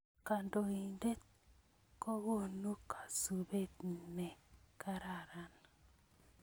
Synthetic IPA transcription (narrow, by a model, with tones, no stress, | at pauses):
ka˨ndo˨i˨nde˦t | ko˦wo˦˨nu˦kʰḁ˨su˨be˦tnɛ˨ka˦ɾa˨ɾa˨˦n